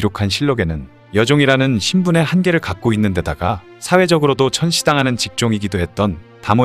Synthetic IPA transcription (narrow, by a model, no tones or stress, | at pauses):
iɾokʰanɕʰiɭːoɡe̞nɯn | jʌd͡ʑoŋiɾanɯnɕʰimbune̞hanɡe̞ɾɯɭkak̚k͈oinːɯnde̞daɡa | sʰawe̞d͡ʑʌɡɯɾodot͡ɕʰʌnɕʰidaŋɦanɯnt͡ɕik̚t͡ɕ͈oŋiɡidoɦe̞t̚t͈ʌn | tamo